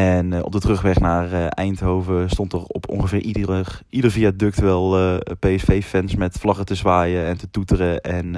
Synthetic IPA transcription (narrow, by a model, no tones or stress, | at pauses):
ɛnɔ̰b̚dətrɵχʋɛχnaːrɛjntɦowvəstɔntərɔ̰pɔ̰ŋχəvɪːɹiidəɹviadɵk̚tʋɛlˠpeɛsfejfɛnsmɛtflɑχətəzʋaːjəɛntətutərəɛn